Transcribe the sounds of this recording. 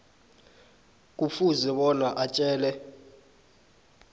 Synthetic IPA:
k̬ʼufuzɛɓɔnaʔat͡ʃʼɛːlɛ

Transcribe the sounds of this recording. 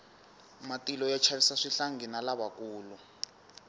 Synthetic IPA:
matilɔjat͡ʃʰarisaʂiɬaŋɡinalaβakuːlu

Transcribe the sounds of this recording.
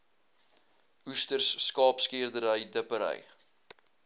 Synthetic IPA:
ustərsːkɑːpskiərdəɾəjdəpəɾə̰j

